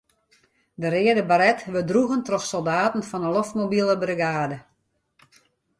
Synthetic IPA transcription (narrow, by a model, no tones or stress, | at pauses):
dəɾɪədəbaɾɛtʋədruɣəntrɔxsɔlˠdaːtn̩fɔnəloftmobilˠəbrəɡaːdə